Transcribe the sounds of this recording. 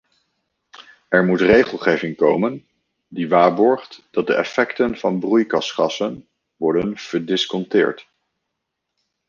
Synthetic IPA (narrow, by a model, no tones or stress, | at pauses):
ɛɹmutrejχəlˠχejvɪŋkowmən | diʋaːɹbɔɹχtd̥ɑt̚dəʔɛfɛktənv̥ɑnbrujkɑsχɑsən | ʋɔɹdənv̥əɹdɪskɔntɪːɹt